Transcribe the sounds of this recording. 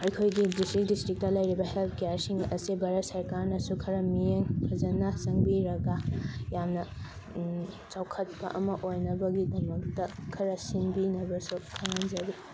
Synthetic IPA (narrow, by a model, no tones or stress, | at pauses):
ɐjkʰojɡidistɾik̚distɾik̚tɐlɐjɾibɐhelp̚ʰkejaɾsiŋɐ̰sibʱaɾɐt̚sɐɾkaɾnɐsukʰɐɾɐmijeŋkʰɐzɐnɐsɐŋbiɾɐɡajamnɐ | t͡ʃawkʰɐt̚pɐ̰ʔɐmɐʔojnɐbɐɡidɐmɐk̚tɐkʰɐɾɐsinbinɐbɐsukʰɐŋɐnzɐɾi